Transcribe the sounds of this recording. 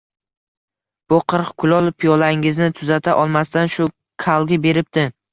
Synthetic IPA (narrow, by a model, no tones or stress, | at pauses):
b̥ʊqʰɨɾqkʰʊlˠɒlˠpʰijɒlaɾɪŋɪznɪt̪ʰʊzat̪ʰaʔɒlˠmast̪anʃʊ | kʰalˠɡʲɪbe̞ɾɪp̚t̪ɪ